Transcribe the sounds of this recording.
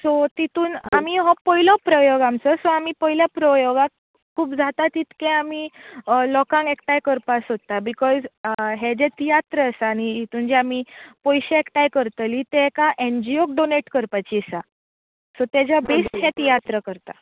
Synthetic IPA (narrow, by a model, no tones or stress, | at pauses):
sɔt̪it̪uːna̰miɦɔ̃pəɦilɔpɾəjoɡamt͡səsɔamipəɦiljapɾəjoɡa | kʰːuːpd͡zʱat̪at̪it̪kẽamilɔkãŋɡekʈ̪ajkəɾpasɦot̪abikɔzɦed͡ʑɛt̪ijat̪ɾəəsaːñiit̪uːnd͡ʑiamipɔjɕeekʈ̪ajkəɾt̪lit̪eekaʔend͡ʑiokɖoneʈkəɾpat͡ɕiːsa | sɔt̪jad͡ʑabesʈɦɛ̃t̪ijat̪ɾəkəɾt̪a̰